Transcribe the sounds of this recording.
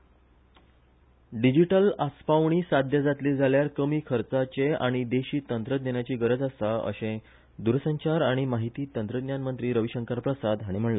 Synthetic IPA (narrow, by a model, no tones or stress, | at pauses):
ɖid͡ʑiʈəlaspaʋɳ̃iːsad̪ʱjəd͡zat̪led͡zʱaljaɾkəmiːkʰəɾt͡sat͡ɕea̰ɽ̃id̪eɕiːt̪ənt̪ɾəd̪neɳjat͡ɕiːɡəɾəd͡zasaə̰ɕẽ | d̪uɾəsəɲt͡ɕaɾaɽ̃imaɦit̪iːt̪ənt̪ɾəd̪njanmənt̪ɾiːɾəʋiɕəŋkaɾpɾəsad̪ɦaɽ̃im̤əɳla